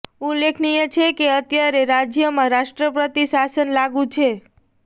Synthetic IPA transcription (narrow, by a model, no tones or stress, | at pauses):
ulːekʰnijət͡ʃʰekeət̪jaɾeɾad͡ʒjəmãɾaʃʈɾəpɾət̪isasənlaɡũt͡ʃʰe